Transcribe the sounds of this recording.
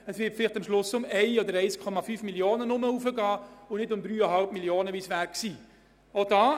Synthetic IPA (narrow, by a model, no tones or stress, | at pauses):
əsʋɪtfɪlɪχtamʃlʊsʊmɛɪɔd̪əɾɛɪskʰɔmɑfyːfmiljoːnənʊməuːfəɡɑːʊnɪdʊmd̪ɾyːəɦɑlpmiljoːnəʋiːsʋæːɾksiː | odɑː